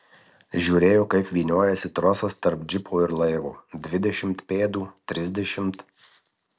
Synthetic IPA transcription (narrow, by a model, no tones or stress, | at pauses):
ʒʲuːɾʲeːjoːkɐɪpʋʲiːnʲoɔjɛsʲɪt̪ɾɔːsɐst̪ɐɾpd͡ʒʲɪpʰoːɪɾlˠɐɪʋṵːd̪ʲʋʲɪd̪ʲɛʃʲɪmt̪pʲeːd̪uːt̪ʲɾʲɪzʲd̪ʲɛʃʲɪmt̪